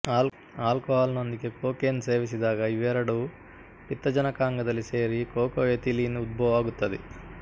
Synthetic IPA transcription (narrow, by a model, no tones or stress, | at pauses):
aːlkoɦaːlno̞nd̪ikekoːkeːnse̞ːʋis̬id̪aːɡɐiʋɛɾɐɽu | pit̪ːɐd͡ʒɐnɐkaːŋɡɐd̪ɐlːise̞ːɾikoːkɐʋet̪iliːnud̪̚bɐʋʋaːɡut̪ːɐd̪e